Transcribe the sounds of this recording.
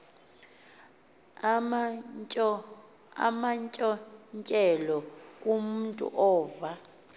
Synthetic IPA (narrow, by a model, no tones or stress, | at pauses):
a̰maɲcʼɔɲt͡ʃʼɛlɔk̬ʼumuntʼṵʔɔːva